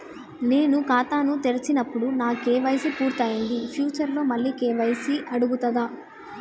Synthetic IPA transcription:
ne̞ːnukaːt̪aːnut̪eɾit͡ʃinɐpːuɽunaːkeːʋɐjsipuːɾt̪aːjɐɳɖ̪ipʰjuːt͡ʃɐɾlo̞ːmɐlːiːkɛːʋɐjsiʔɐɽuɡut̪ɐd̪aː

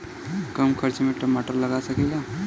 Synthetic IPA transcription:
kəmkʰəɾt͡ʃmeʈəmaʈəɾləɡasəkɛla

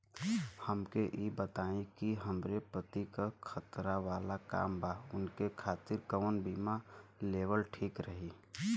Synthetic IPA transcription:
həmkeʔibət̪aĩkiɦəmɾepɾət̪ikakʰət̪ɾaʋalaka̰ːmbaʊnkekʰaːt̪ɪɾkəʋənbimalebəlʈʰiːkɾəɦi

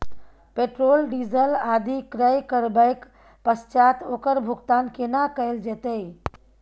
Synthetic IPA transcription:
peːʈɾoːlɖiːzəlaːd̪ʱikɾəjkəɾbəɪk | pəst͡ʃaːt̪oːkəɾbʱʊɡt̪aːnkenakəɪld͡ʒet̪əi

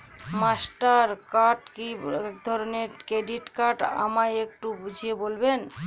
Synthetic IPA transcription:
masʈaɾkaʈkiɛkd̪ʱɔɾoneɾkɾeɖiʈkaɾʈa̰majek̚ʈubud͡ʑʱiebolben

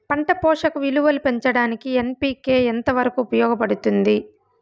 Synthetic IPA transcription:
pɐɳʈɐpɔːʂɐkɐʋiluʋɐlupe̞ɲt͡ʃɐɽaːnikiempiːke̞ːent̪ɐʋɐɾɐkuːpɐjɔːɡɐpɐɽut̪und̪i

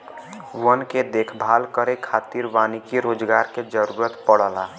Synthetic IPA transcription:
ʋənked̪eːkʰbʱaːlkəɾekʰaːt̪iɾʋaːnikiɾoːd͡ʒɡaːɾked͡ʒəɾuːɾət̪pəɽəlaː

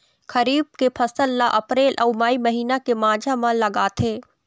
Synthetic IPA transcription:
kʰəɾiːb̚kepʰɐsəlːaʔɐpɾeːlʔɐumaːiməɦiːnakemaːd͡ʒʱamãlɐɡaːt̪ʰeː

